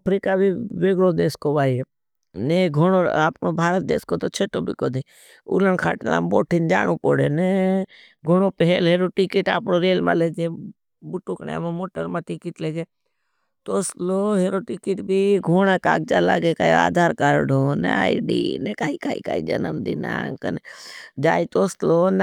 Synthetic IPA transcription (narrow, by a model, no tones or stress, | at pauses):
pʰɾiːkabʱiʋeːɡlod̪eːskoʋaːie | neɡʱoɽoaːpnobʱaːɾət̪̚d̪ḛːskot̪ot͡ʃʰeːʈobʱḭːkoːd̪e | ṵləɳkʰa̰ːʈlã̰mboːʈʰind͡ʒa̰ːɽ̃uːpoːɽḛːne | ɡʱoɳoːpəɦelɦeːɾoʈikɪʈa̰ːpɳoɾeːlmã̰ːled͡ʒe | bʊʈuːkna̰mãmoːʈəɾmãːʈikiʈleɡeː | t̪oːsloːɦeːɾoʈikiʈbʱiːɡʱoːɽaka̰ːk̚d͡ʒaːla̰ːɡekaːjia̰ːd̪ʱaːɾkaːɾɖʱoːnḛaːiɖḭːnekaːikaːika̰ːḭd͡ʒə̰nəmd̪iːna̰ːŋkə̰ned͡ʒaːit̪oːsloːn